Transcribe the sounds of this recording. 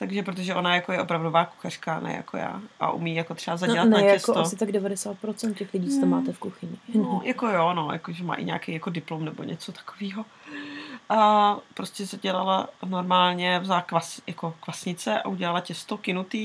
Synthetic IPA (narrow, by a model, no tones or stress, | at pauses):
t̪aɡʒɛpɾot̪oʒɛʔo̞najakojɛʔopɾavdovaːku̥xar̥kanɛ̰ja̰ko̰ja̰ːʔa̰ʔṵmiːjakot̪r̥ɛbazaɟɛlannajaɛsot̪aossɪt̪aɡdɛvadɛsaːt̪̚pɾot͡sɛnt̪̚cɛxlɪɟiːt͡sot̪omaːt̪ɛfkuxɪɲɪnnojʔako̞jono̞ja̰koʒɛma̰ːʔɪ̰ɲa̰ːkɛjako̞dɪplomnɛbo̰ɲʔɛ̰t͡sot̪ḁkoviːɦo | ʔapɾoscʲɛzaɟɛlalanoɾmaːlɲɛvzalakvasjʔako̞kvasɲɪt͡sɛʔa̰ʔuɟɛlalacɛst̪okɪnut̪iː